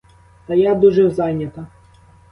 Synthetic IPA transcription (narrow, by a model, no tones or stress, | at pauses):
t̪ɐjad̪uʒɛwzɑjnʲɐt̪ɐ